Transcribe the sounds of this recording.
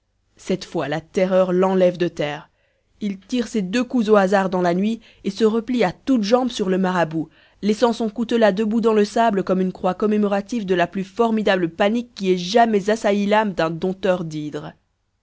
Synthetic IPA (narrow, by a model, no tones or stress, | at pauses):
sɛt̪fwalat̪ɛʁœʁlɑ̃lɛvd̪ət̪ɛːʁ | ilt̪iʁsed̪økuzoazaʁd̪ɑ̃lanɥi | esəʁəpliat̪ut̪ʒɑ̃bsyʁləmaʁabu | lɛsɑ̃sɔ̃kut̪olad̪əbud̪ɑ̃ləsabləkɔmynkχwakɔmemɔʁat̪ivd̪əlaplyfɔʁmid̪abləpanikːiɛʒamɛzasailamd̪ɛ̃d̪ɔ̃t̪œʁd̪id̪ʁ